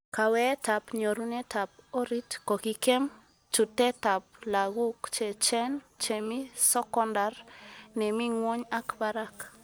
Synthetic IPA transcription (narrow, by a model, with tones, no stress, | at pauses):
ka˨wɛ˦ta˨pɲo˨ɾu˦ne˦ta˨p̚o˦ɾi˦tkɔ˨ki˨kɛ˦m | t͡ʃu˨tɛ˦ta˨p̚la˨ɣu˦kt͡ʃɛ˨t͡ʃɛ˦nt͡ʃe˨mi˦sɔ˦kɔ˦nda˨rnɛ˨mi˦ŋwo˦ɲa˦kba˦ɾa˦k